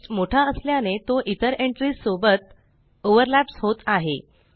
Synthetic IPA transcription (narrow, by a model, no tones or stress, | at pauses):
moʈʰaəsljanet̪oʔit̪əɾeɳʈɾisobət̪ | oʋəɾlæpshot̪aɦḛ